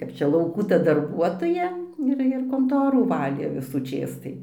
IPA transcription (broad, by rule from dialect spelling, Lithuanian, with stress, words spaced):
ˈkɐp t͡ʃʲɛ lˠɐʊˈkuː tɐ dɐrˈbuɔtoːjɛ ˈɪr ɪr koːnˈtoːruː ˈʋɑːlʲeː ʋʲɪsuːˈt͡ʃʲeːs tɐɪ